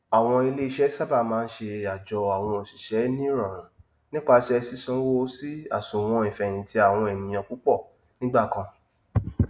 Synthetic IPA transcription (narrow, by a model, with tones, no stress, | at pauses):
a˨w̃ɔ̃˧i˧le˦i˧˨ʃɛ˦sa˦ba˦˨mãː˨˦˧n̩˦ʃe˧a˨d͡ʒɔ˨a˨w̃ɔ̃˧o˨si˨ʃɛ˨˦nĩ˦ɾã˨ɾ̃ã˨ | nĩ˦k͡pa˧ti˦ɛ˧si˦sɔ̃˦wo˦si˦a̰˦˨sũ˨w̃ɔ̃˧ĩ˨fɛ˨j̃ĩ˨ti˧˦a˦˨w̃ɔ̃˧ɛ˨nĩ˨j̃ã˧ku˨˦k͡pɔ˦˨ | nĩ˦ɡ͡ba˦˨kã˧